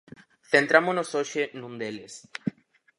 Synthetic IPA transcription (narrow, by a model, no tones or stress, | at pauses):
θent̪ɾamonosoʃenũnd̪eles